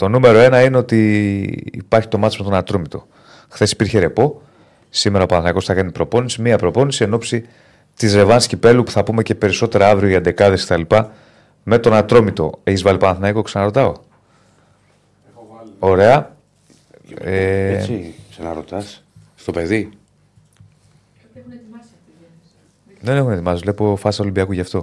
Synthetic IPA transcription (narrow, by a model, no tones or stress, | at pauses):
t̪o̞nume̞ɾo̞e̞nɐine̞o̞t̪ḭː | pɐɾçi̥t̪o̞mɐt̪eme̞t̪o̞nɐt̪ɾomit̪o̞ | xθe̞si̥piɾçe̞ɾe̞po̞ | sime̞ɾɐopɐnθnɐiko̞sθɐkɐnipɾo̞po̞nisimiɐpɾo̞po̞nisie̞no̞psi | t̪izɾe̞vɐnscipe̞lupu̥θɐpume̞ce̞pe̞ɾiso̞t̪e̞ɾɐɐvɾioʝɐnd̪e̞kɐðe̞sket̪ɐlipɐ | me̞t̪o̞nɐt̪ɾo̞mit̪o̞̰e̞çizvɐlipɐnɐθnɐikoksɐnɐɾo̞t̪ɐo̞ | o̞ɾe̞ɐ | e | knɐɾo̰t̪ɐsst̪opeði | ðenexunet̪imɐsizvle̞po̞fɐsɐo̞limbiɐkuʝɐft̪o̞